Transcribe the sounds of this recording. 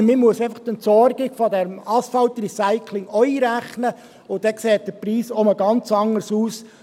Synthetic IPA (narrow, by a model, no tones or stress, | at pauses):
mɪmuəseɪfɑχt̪ənt̪sɔɾɡɪɡ̥fɔdɛɾmɑsfɑlt̪ɾisaɪkʰlɪŋɔiːɾæχnə | ʊdɛksɛːt̚d̥̪əɾpɾiːsoməɡɑnt͡sɑŋːəɾsuːs